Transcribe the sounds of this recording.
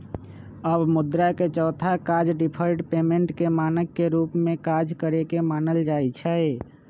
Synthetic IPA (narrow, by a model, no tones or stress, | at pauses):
əbmud̪ɾaket͡ʃəʊt̪ʰakad͡ʒɖipʰəɾʈpemeɳʈkemanəkːeɾupmekad͡ʒkəɾekemanəld͡ʒajt͡ʃʰəɪ